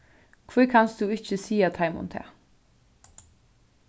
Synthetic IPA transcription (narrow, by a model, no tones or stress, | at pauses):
kʰʋuːkʰɑnsd̪ʉːɪçəsiːɑt̪ʰɑɪmʊ̰nt̪ʰḛː